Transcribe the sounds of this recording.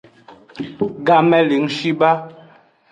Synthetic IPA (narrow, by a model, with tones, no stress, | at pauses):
ɡa˨mɛ˦li˨˦ŋʃi˦ba˦